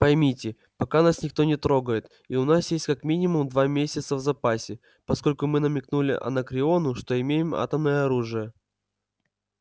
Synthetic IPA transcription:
pɐjmʲitʲɪ | pɐkanasnʲɪkt̪o̞nʲɪt̪ɾo̞ɡəjɪt̪ | iʊnasjesʲtʲkɐkmʲinʲɪmʊmd̪vamʲesʲət̪səvzɐpasʲɪ | pɐsko̞lʲkʊmɨnəmʲɪknulʲɪ̰ʔɐ̰nəkɾʲɪo̞nʊʂt̪o̞ɪmʲejɪma̰t̪əmnəjəɐɾuʐɨjə

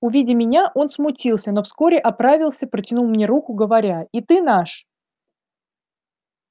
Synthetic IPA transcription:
ʊvʲidʲɪmʲɪnʲaʔo̞nsmʊtʲilˠsʲəno̞fsko̞ɾʲɪʔɐpɾavʲɪlˠsʲəpɾətʲɪnulˠmnʲe̞ɾukʊɡəvɐɾʲait̪ɨnaʂ

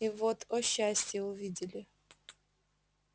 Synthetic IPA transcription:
ivot̪ʰɔɕːasʲtʲjɛʊvʲidʲɪlʲɪ

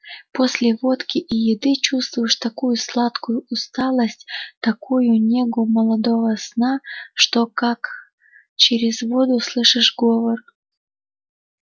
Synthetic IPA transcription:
posʲlʲɪvot̪kʲiʔijɪd̪ɨt͡ɕust̪vʊjɪʂt̪ɐkujuslˠat̪kʊjʊust̪ɑlˠəsʲtʲt̪ɐkʰujunʲeɡʊməlˠɐd̪ovəsnaʂt̪okak | t͡ɕeɾʲɪzvod̪ʊslˠɨʂɨʂɡovər

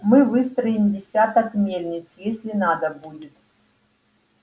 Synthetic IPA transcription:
mɨvɨst̪ɾəɪmdʲɪsʲat̪ɐkmʲelʲnʲɪt̪sjesʲlʲɪnad̪əbudʲɪt̪̚

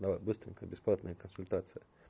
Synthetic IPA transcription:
nɐbɨst̪ɾʲɪnʲkəbʲɪsplˠat̪nəjəkənsʊlʲt̪at̪sɨjə

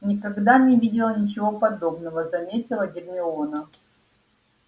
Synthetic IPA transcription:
nʲɪkɐɡd̪anʲɪvʲidʲɪlˠnʲɪt͡ɕɪvo̞pɐd̪o̞bnəvəzɐmʲetʲɪlˠəɡʲɪrmʲɪonə

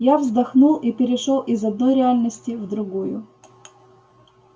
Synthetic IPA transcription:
javzd̪ɐxnulˠipʲɪɾʲɪʂolˠʔizɐd̪̚nɔjɾʲɪalʲnəsʲtʲɪvd̪ɾʊɡujʊ̰

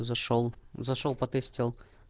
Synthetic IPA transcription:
zɐʂɔlˠzɐʂolˠpɐt̪ɛsʲtʲilˠ

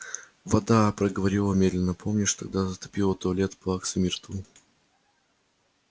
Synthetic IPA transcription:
vɐd̪apɾəɡəvɐɾʲilˠəmʲed̪lʲɪnːəpʰomnʲɪʂt̪ɐɡ̚d̪azət̪ʊ̥pʲilˠət̪olʲet̪plˠaksmʲɪrt̪u

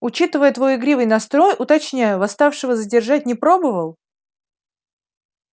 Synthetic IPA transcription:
ʊt͡ɕit̪ɨvəjət̪vo̞jɪɡɾʲivɨjnɐst̪ɾo̞jʔʊt̪ɐt͡ɕnʲæjəvɐst̪afʂɨvəzədʲɪrʐat̚ʲnʲɪpɾo̞bəvəlˠ

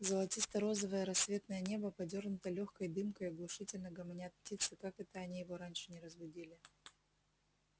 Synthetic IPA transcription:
zəlˠɐtʲist̪əɾo̞zəvəjəɾɐsːvʲe̞t̪nəjənʲe̞bəpɐdʲo̞rnʊt̪əlʲoxkəjd̪ɨmkəjɪɡlˠʊʂɨtʲɪlʲnəɡɐmnʲeɐt̪̚pʲtʲit̪səkakɛt̪əɐnʲijɪvo̞ɾanʲʂɨ̥nʲɪɾəzbʊdʲilʲɪ

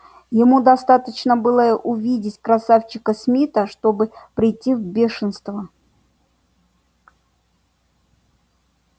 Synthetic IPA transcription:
jɪmud̪ɐst̪at̪ət͡ɕnəbɨlˠəʔʊvʲidʲɪtʲkɾɐsaft͡ɕɪkəsmʲit̪əʂt̪obɨpɾʲɪjtʲːivbʲeʂɨnst̪və

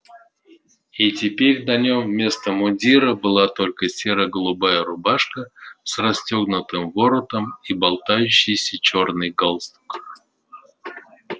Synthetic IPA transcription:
itʲɪpʲeɾʲnɐnʲommʲe̞st̪əmʊdʲiɾəbɨlˠat̪o̞lʲkəsʲeɾəɡəlˠʊbajəɾʊbaʂkəsrɐsʲtʲoɡnʊt̪ɨmvo̞ɾət̪əmibɐlˠt̪ajʉɕːɪjsʲət͡ɕo̞rnɨjɡalˠst̪u̥k

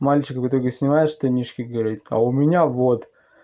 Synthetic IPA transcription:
malʲt͡ɕɪkəkɐt̪oɾʲɡʲəsʲnʲɪmajɪʂt̪ɨnʲiʂkʲɪɡəvɐɾɾʲit̪ɐ̰ʊmʲɪnʲavot̪

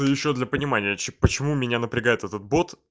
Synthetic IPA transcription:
əjɪɕːod̪lʲɐpənʲɪmanʲɪjət͡ɕpət͡ɕɪmumʲɪnʲanəpɾʲɪɡajɪt̪ɛt̪ət̪̚bo̞t̪

